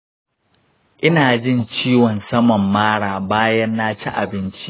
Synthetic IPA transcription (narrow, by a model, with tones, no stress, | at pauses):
ʔɪ˦naː˨d͡ʒɪ˦˨nt͡ʃiː˦wɔ˨nsɐ˦mɔ˨mːaː˦ɽaː˨baː˦jɐ˦nːaː˦t͡ʃḭ˦ʔa̰˨bɪ˦nt͡ʃi̥˦